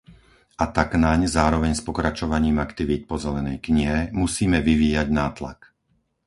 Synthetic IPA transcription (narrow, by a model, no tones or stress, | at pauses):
ʔat̪aknaɲzaːɾɔʋɛɲspɔkɾat͡ʃɔʋaɲiːmakt̪iʋiːt̪̚pɔzɛlɛnɛ̰jkɲiɦɛmusiːmɛʋiʋiːjaɟnaːt̪la̰k